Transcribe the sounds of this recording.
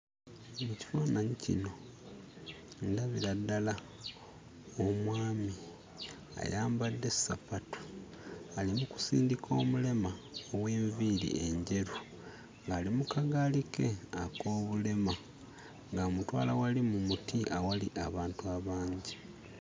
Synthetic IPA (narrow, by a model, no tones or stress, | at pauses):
muci̥fanaɲicḭno̞ | ndaβiɾadːala | omwaːmi | a̰jaːmbadːe̞sapatu̥ | alimuku̥sḭːndikʰo̞ːmule̞maoweːɱviɾḭe̞ɲɟe̞ɾu | ŋɡaːlimukaɡalikeako̞ːβule̞ma | ŋɡamutwa̰ːlawalimumutiʔawaliʔaβaːntuaβaːɲɟi